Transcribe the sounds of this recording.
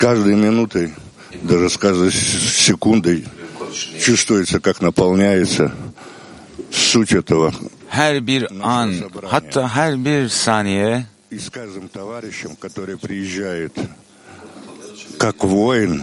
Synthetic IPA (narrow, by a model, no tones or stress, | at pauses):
kaʐd̪əjmʲɪnut̪əj | d̪aʐɨskaʐd̪əsːʲɪkund̪əj | t͡ɕust̪vʊjɪt̪səkaknəpɐlˠnʲæjɪt̪sə | fsutʲɛt̪əvə | hæɾbiɾanhat̪ʰːaːɦæɾbiɾsaːnʲijɛ | ɪskaʐd̪ɨmt̪ɐvaɾʲɪɕːɪmkɐt̪o̞ɾɨjəpɾʲɪjɪʑːæjɪt̪ | kakvojn